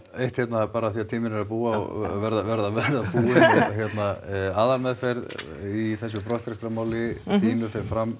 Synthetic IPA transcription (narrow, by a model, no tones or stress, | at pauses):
ejht̪çjɛt̪napaːɾaθiat̪ʰiːmɪnɛɾapuːaɔ̰vɛɾðavɛɾðavɛɾðapuːɪçjɛt̪naaːðaɾmɛðfeɾð | iθɛs̬ːʏpɾɔht̪ɾɛst̪ɾamaːwlɪt̪ʰiːnʏfeɾfɾamː